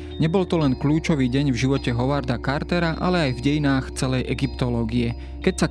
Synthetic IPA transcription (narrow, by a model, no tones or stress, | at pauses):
ɲɛbɔlt̪ɔlɛnkluːt͡ʃɔʋiːɟɛɲvʒiʋɔcɛɦɔʋaɾd̪akaɾt̪ɛɾaʔa̰lɛajvɟɛjinaːxt͡sɛlɛjʔɛɡipt̪ɔlɔːɡiɛ | kɛcsa